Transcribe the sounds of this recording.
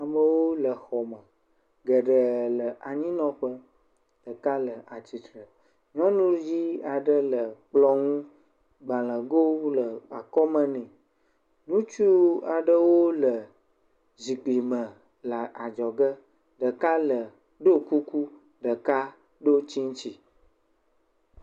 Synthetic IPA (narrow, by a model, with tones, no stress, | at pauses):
a˨mə˨wo˦lə˨xɔ˨mə̃˨ | ɡə˨ɖə˨lə˨a˨ɲĩ˦nɔ̃˦ɸə˦ | ɖ̥ə˨ka˦lə˨a˨t͡ɕi˨t̪ɾə˨ | ɲɔ̃˦nũ˦d͡ʑi˦a˨ɖə˦lə˨k͡plɔ˦ŋũ˦ | ɡ͡ba˨lə̃˨ɡo˦lə˨a˨kɔ˦mə̃˦nɛ̃˨ | nũ˦t͡ʃu˦a˨ɖə˦wo˦lə˨ | zi˨k͡pli˨mə̃˨ | la˨a˨d͡ʒɔ˨ɡə˦ | ɖə˨ka˦lə˨ | ɖo˦ku˦ku˦ | ɖə˨ka˦ | ɖo˦t͡ɕi˦ŋ˦t͡ɕi˨